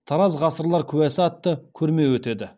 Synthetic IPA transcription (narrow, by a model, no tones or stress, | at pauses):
t̪ʰɑɾɑzʁɑsəɾlˠɑɾkʲʰʉwæsɪɑt̪ːəkʲʰɵɾme̞wɵt̪e̞d̪ɪ